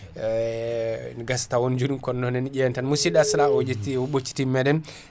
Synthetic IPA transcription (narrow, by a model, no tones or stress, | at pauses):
nɡastawond͡ʒudinkɔnːɔnɛnid͡ʒɛntanmusidaslaod͡ʒetiɔɓot͡ʃːi̥timɛdɛn